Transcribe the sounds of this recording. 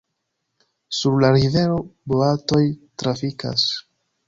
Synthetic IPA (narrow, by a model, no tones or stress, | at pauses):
suɾlaɾive̞ɾo̞boato̞jtɾafika̰s